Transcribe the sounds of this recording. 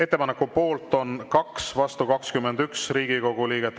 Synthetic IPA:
e̞t̪ːe̞pɑnekːupo̞ːlt̪ːˑo̞nkɑksvɑst̪ukɑkskymːend̪yksriːɡ̥iko̞ɡ̥uliːɡ̥et̪ː

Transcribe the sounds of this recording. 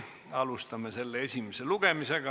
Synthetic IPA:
ɑlust̪ɑmese̞lːeesʲimeseluɡ̥emiseɡ̥ɑ

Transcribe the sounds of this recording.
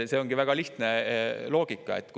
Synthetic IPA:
seːoŋɡ̥iʋæɡ̥ɑliht̪nelo̞ːɡ̥ikːˑɑet̪ːk

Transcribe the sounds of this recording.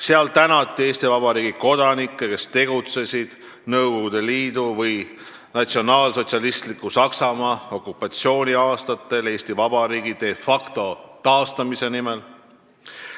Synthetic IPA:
seɑlt̪ænɑt̪ˑːie̞ːsʲt̪ivɑbɑɾiːɡ̥iko̞d̪̥ɑnikːˑe̞ke̞st̪e̞ɡ̥ut̪se̞sʲid̪̥ | nɤwko̞ɡud̪̥e̞liːd̪uvɤj | nɑt̪sio̞nɑːlso̞t̪ʲsiɑlist̪likːusɑksɑmɑːo̞kːˑupːˑɑt̪so̞ːnʲiɑːst̪ɑt̪ːˑe̞le̞ːst̪ivɑb̥ɑɾiːɡid̪̥e̞fɑkt̪o̞t̪ɑːst̪ɑmise̞nimel

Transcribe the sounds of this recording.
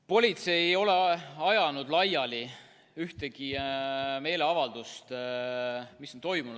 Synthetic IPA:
po̞lʲit̪se̞jeo̞le̞ɑjɑnud̪lɑjɑli | yht̪eɡ̥i | me̞ːle̞ɑvɑld̪̥ust̪ | misont̪o̞jmunu̥

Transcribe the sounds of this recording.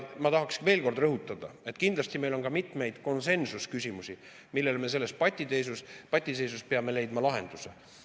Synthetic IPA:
mɑt̪ɑɦɑksve̞ːlko̞rd̪rɤɦut̪ːˑɑd̪̥ɑe̞t̪kind̪lɑsʲt̪ime̞jlo̞nɡɑmit̪ˑme̞jd̪̥ko̞nse̞nsuskysʲimusi | milːe̞lme̞se̞lːe̞spɑt̪ʲːˑid̪ejs̬uspɑt̪ʲːˑise̞jsuspeɑme̞le̞jd̪mɑlɑɦe̞̰nd̪̥use

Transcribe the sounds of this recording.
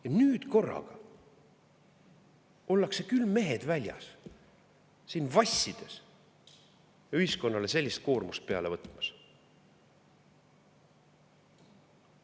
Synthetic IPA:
jɑnyːd̪̥ko̞rːɑ̰ɡ̥ɑ | o̞lːɑkse̞kylːme̞ɦe̞d̪̥vælʲjɑ̰s | iːnvɑsʲːid̪̥e̞s | jɑyhisko̞nːɑle̞se̞lʲːist̪̚ko̞ːrmust̪̚pe̞ɑ̰le̞vɤt̪ːˑmɑs

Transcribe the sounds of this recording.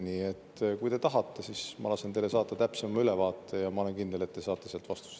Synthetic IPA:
niːet̪ːkujt̪e̞t̪ɑɦɑt̪ːe̞sismɑ̰lɑsent̪ejle̞sɑːt̪ːˑɑt̪æpse̞mɑylevɑːt̪ːˑejɑmɑo̞lenkind̪e̞let̪ːesɑːt̪ːˑe̞selt̪vɑst̪u̥s

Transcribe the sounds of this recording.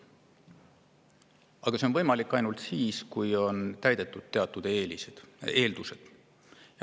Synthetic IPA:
ɑɡ̥ɑseo̞nvɤjmɑlikːˑɑjnult̪siːskujo̞nt̪æjd̪̥e̞t̪ːˑud̪̥̚t̪ːe̞ɑt̪ˑːud̪̥eːlised̪̥e̞ːld̪use̞d̪̥

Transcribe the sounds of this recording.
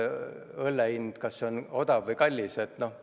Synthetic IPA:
ɤlːeind̪̥kɑsːeono̞d̪̥ɑvɤjkɑlʲːiset̪no̞h

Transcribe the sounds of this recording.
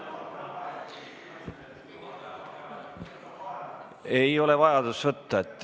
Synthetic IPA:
e̞jo̞le̞vɑjɑd̪usvɤt̪ːɑet̪ːˑ

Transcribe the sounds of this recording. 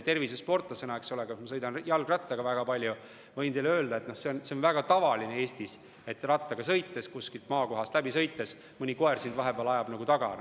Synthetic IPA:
t̪e̞rvisespo̞rt̪ːˑɑsenɑekso̞leɡ̥ɑmɑsɤ̞jd̪ɑnjɑlɡ̥rɑt̪ːˑɑɡ̥ɑvæɡ̥ɑpɑlʲju | vɤjnt̪eleø̞ːld̪ɑe̞t̪no̞hse̞onse̞onvæɡ̥ɑt̪ɑvɑlinee̞ːsʲt̪is | e̞t̪ːrɑt̪ːˑɑɡ̥ɑsɤjt̪ˑːe̞skuskilt̪̚mɑːko̞ɦɑst̪læbisɤ̞jt̪ːˑe̞s | mɯnʲiko̞ersind̪vɑɦe̞beɑlɑjɑb̥nɑɡut̪ɑɡ̥ɑ̰

